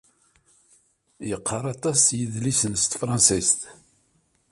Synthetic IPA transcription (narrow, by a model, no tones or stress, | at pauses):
jəqʰːəɾˤɑt̪ˤɑsjəðlisənst̪fɾˤɑnsist̪